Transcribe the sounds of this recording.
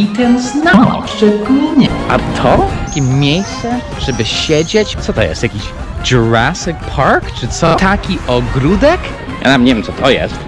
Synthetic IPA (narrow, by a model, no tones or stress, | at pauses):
it̪ɛnznaɔ̰pʂɛɡliɲɛa̰t̪ʰɔakʲɛmʲjejst͡sɛ | ʐ̥ɛbɨʃɛd͡ʒet͡ʃt͡sɔt̪ɔ̰jɛ̰st̪jakʲiʃ | d͡ʒɔɹasɪkpʰaɹkʈ͡ʂʰɪt͡sɔt̪ʰakʰʲiʔɔɡɾud̪ɛk | ʔɛ̰namɲɛvɪmt͡sɔt̪ʰɔjɛ̰st̪